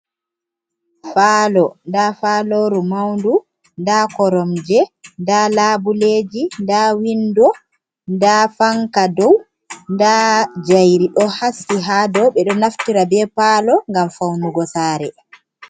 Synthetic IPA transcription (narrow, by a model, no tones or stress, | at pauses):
faːlɔndafaːloɾumawndu | ndakɔɾɔmd͡ʒɛndalaːbuleːd͡ʒindawindɔ | ndafaŋkadɔw | ndad͡ʒajɾiɗɔhasiɦaːdɔwɓɛɗɔnaftiɾabɛpalɔŋɡamfawnuɡɔsaːɾɛ